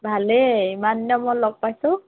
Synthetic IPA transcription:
bʱaleimanjɔmɔjlɔɡ̚pajsʊ̃

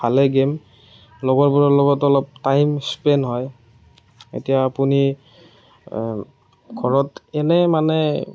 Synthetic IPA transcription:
bʰʱalɛɡem | lɔɡɔɹpɔɹɔlɔɡɔtɔlɔp̚tajmspɛnɦɔj | ḛtijaːpuni | ɡʰʱɔɹɔtɛnɛmanɛ

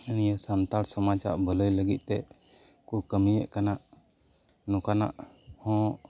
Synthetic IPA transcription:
inijɔsamt̪aɾsɔmat͡ʃa̰ʔbələjləɡit̪̚ˀt̪ɛ | kukəmijə̰ʔkanaʔ | nɔkana̰ʔ | hɔ̃

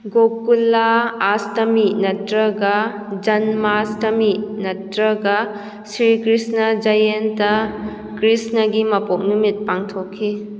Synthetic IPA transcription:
ɡokːulːaːstɐminɐtɾɐɡɐ | d͡ʒɐnmastɐminɐtɾɐɡɐ | sɾikɾisnɐd͡ʒɐjentɐ | kɾisnɐɡimɐpok̚numit̚paŋtʰokʰːi

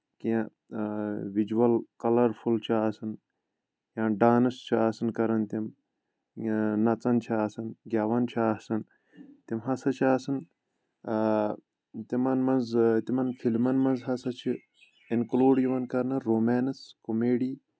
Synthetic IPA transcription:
kijã | ʋid͡ʒuwɐlkɐlɐɾfʰult͡ʃʰiaːsɨn | jãːɖaːnɨst͡ʃʰiaːsɨnkɐɾɐnt̪im | nɐt͡sɐnt͡ʃʰiaːsɐnɡʲaːʋɐnt͡ʃʰiasɐn | t̪imɦɐsɐt͡ʃʰiaːsɨn | t̪imɐnmɐnzt̪imɐnfʰilmɐnmɐnzɦɐsɐt͡ʃʰi | inkloːɖjiʋɐnkɐɾnɨɾoːmeːnɨskomeːɖiː

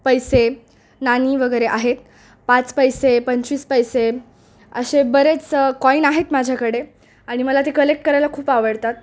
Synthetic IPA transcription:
pəjse | naniːʋəɡəjɾeʔaɦet̪̚ | pat͡spəjsepəɲt͡ɕiːspəjse | əɕebəɾet͡skɔinaɦet̪mad͡ʑʱjakəɽe | aɽ̃iməlat̪ekəlek̚ʈ̚kəɾajlakʰuːpaʋəɽt̪at̪̚

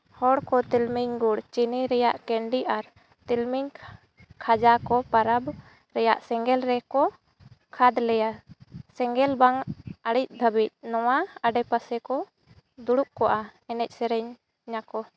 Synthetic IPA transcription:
hɔɽkɔt̪ilmiɲɡuɽt͡ʃiniɾɛjaʔkɛɳɖiʔaɾ | t̪ilmiɲ | kʰad͡ʒakɔpaɾab | ɾɛja̰ʔsɛŋɡɛlɾɛkɔ | kʰad̪lɛjasɛŋɡɛlbaŋəɽic̚ˀd̪ʱəbic̪̚ˀnɔwaəɖɛpasɛkɔ | d̪uɽuʔ̚kɔʔaɛnɛc̚ˀsɛɾɛɲ | ɲakɔ

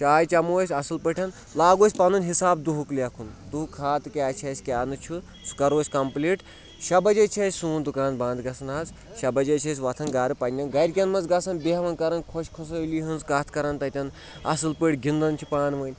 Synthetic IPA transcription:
t͡ʃaːjt͡ʃɐmoːsʲɐsɨlpəʈʰʲɐn | laːɡoːsʲpɐnunʲɦisaːbd̪uɦukliɐkʰund̪ukʰaːt̪ɨkʲaːt͡ʃʰɐsʲkʲaːnɨt͡ʃʰu | sʰu̥kɐɾoːsʲkɐmpliːʈ | ʃɐbɐd͡ʒɐt͡ʃʰɐsʲsuːnd̪ukɾaːnd̪bãːnd̪ɡɐsɐnaːz | ʃɐbɐd͡ʒɐt͡ʃʰɐs̬ʲʋɐt̪ʰɐnɡaːɾɨpɐnʲːɐnɡɐɾʲkʲɐnmɐnzɡɐsɐnbeɦɐʋɐnkɐɾɐnkʰoʃkʰos̬ɐliɦɨnzkaːt̪ʰkɐɾɐnt̪ɐt̪ʲɐn | ɐ̰sɨlpəʈʰʲɡʲind̪ɐnt͡ʃʰipaːnʋɨːnʲ

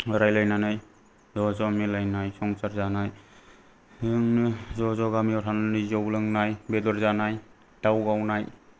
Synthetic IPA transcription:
ɯɾajlajnanaj | zɔzɔmelajnajsɔŋsaɾzanaj | ɯŋzɔzɔɡamiɔtʰananɯjzɔblɯŋnajbedɔɾzanaj | d̥awɡawnaj

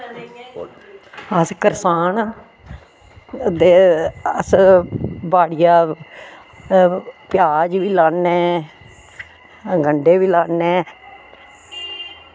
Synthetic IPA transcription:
əskəɾsaːn | d̪eːəs | baːɽɪjaː | pɪjaːd͡ʒʋiːlaːnɛː | ɡəɳɖeːʋiːlaːnɛː

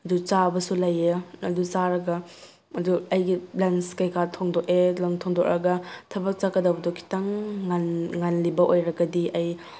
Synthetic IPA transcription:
ɐdut͡ʃabɐsulɐjeɐdusaɾɐɡɐ | ɐduɐjɡiblanskajkatʰɔŋdokelɐmtʰoŋdɔk̚ɾɐɡɐtʰɐbɐk̚t͡ʃakɐdawbɐdokʰi̥taŋːanŋanlibɐʔojɾɐɡɐdiɐj

